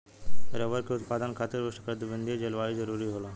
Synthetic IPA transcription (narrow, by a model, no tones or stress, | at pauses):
ɾəʋəɾkʰeut̪pad̪ənkʰat̪əɾʋəʂʈəkəd̪bənd̪ʱid͡ʑelʋaɭid͡zəɾuɾiɦola